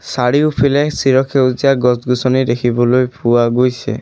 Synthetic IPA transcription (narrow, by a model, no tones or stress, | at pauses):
saɽiupʰilaesiɾɔkʰeud͡ʒaɡɔsɡusɔniɾekʰibɔlojpuaɡojt͡ʃʰḛ